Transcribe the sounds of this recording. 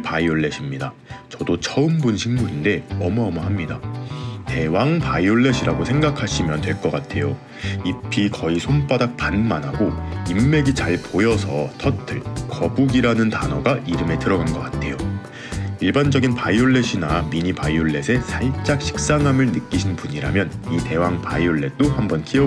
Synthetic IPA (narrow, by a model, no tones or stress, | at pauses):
paioɭːe̞ɕʰimɲida | t͡ɕʌdot͡ɕʰʌɯmbunɕʰiŋmuɾinde̞ʌmʌʌmʌɦamɲidate̞waŋpaioɭːe̞ɕʰiɾaɡosʰe̞ŋɡakʰaɕʰimjʌntwe̞ɭk͈ʌk͈atʰe̞jo | ipʰikʌisʰonp͈adak̚panmanɦaɡoimːe̞ɡit͡ɕaɭpojʌsʰʌtʰʌtʰɯɭkʌbuɡiɾanɯntanʌɡaʔiɾɯme̞tɯɾʌɡanɡʌk͈atʰe̞jo | iɭband͡ʑʌɡinpaioɭːe̞ɕʰinamiɲipaioɭːe̞sʰe̞sʰaɭt͡ɕ͈ak̚ɕʰi̥k̚s͈aŋɦamɯɭnɯk͈iɕʰinpuɲiɾa̰mjʌnite̞waŋpaioɭːe̞t͈ohambʌnkʰiʌ